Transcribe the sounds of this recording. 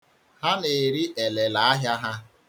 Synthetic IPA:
ha˦ne˨ɾi˦ʔe˨le˨la˨a˦ɦja˦ɦa˦

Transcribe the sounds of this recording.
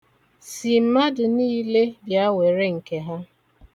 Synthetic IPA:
si˨m̩˨ma˦dʊ˨niː˦le˦jja˦we˨ɾe˦ŋ̩˨ke˨ɦa˦

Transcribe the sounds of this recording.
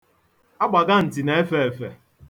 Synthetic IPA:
a˦ɡ͡ba˨ɡa˦n̩˨ti˨ne˨e˦fe˦e˨fe˨

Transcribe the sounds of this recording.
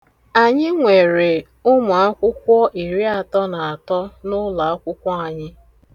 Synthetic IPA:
a˨ɲɪ˦ŋʷe˨ɾe˨ | ʊ˦mʊ˨a˦kʷʊ˦kʷɔ˦ʔi˨ɾi˦a˨tɔ˦na˨a˨tɔ˦nʊ˦la˨a˦kʷʊ˦kʷɔ˦a˨ɲɪ˦

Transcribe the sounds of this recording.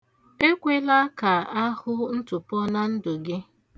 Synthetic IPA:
e˦kʷe˦la˦ka˨a˦hʊ˦n̩˦tʊ˨pɔ˦na˦n̩˦dʊ˨ɡɪ˦

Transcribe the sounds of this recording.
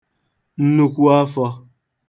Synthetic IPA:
n̩˦nu˦kʷu˦a˦fɔ˧

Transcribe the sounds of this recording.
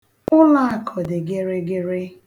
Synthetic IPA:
ʊ˦la˦a˦˨kʰɔ˨dɪ˨ɡe˦ɾe˦ɡe˦ɾe˦

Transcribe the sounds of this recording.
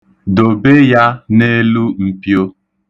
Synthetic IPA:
do˨be˦ja˦ne˦lu˦m̩˦pjo˦

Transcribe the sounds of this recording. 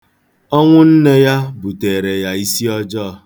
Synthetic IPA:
ɔ˦ŋʷʊ˦n̩˦ne˦ja˦bu˨te˨ɾe˨ja˨i˦si˦ɔ˦d͡ʒɔ˦˨˦

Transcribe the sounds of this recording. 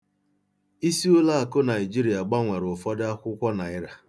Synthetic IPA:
i˦si˦ʊ˦la˦a˨ko˦na˨ɪ˨d͡ʒi˦ɾi˨a˨ɡ͡ba˦ŋʷe˨ɾʊ˨fɔ˦dɪ˦a˦kʷʊ˦kʷɔ˦na˨ɪ˦ɾa˨

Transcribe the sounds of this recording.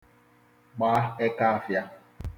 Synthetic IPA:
ɡ͡ba˨˦e˦ka˦a˦˨fja˦

